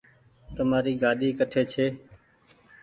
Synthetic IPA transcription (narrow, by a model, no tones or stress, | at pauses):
t̪əmaːɾiːɡaːɗiːkəʈʰeːt͡ʃʰeː